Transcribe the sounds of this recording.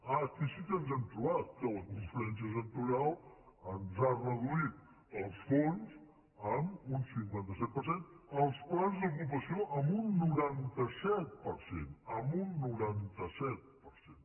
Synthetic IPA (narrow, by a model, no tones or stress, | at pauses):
ak̪isik̪ənzɛmt̪ɾuβat̪̚t̪ɛwəkuɱfluɛns̬jəs̬ənt̪uɾalˠənzarəðuit̪̚ | əlˠsfonz | amunsiŋkwɛnt̪əsɛt̪̚pəɾsenəlˠspwlanzðuk̬up̬əsioʔəmbunːuɾant̪əsɛt̪̚pəɾsḛnəmunːuɾant̪əsɛt̪̚pəɾsen